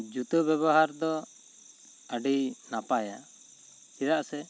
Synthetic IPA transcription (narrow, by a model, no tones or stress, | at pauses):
d͡ʒut̪ubɛβɔɦaɾd̪ɔ | əɖinapaja | iɾaʔsɛ